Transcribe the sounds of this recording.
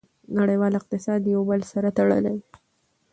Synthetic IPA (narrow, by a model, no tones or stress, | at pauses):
naɽajwɑlɪq̚t̪ɪsɑd̪jawbəlsaɾat̪aɽə̰law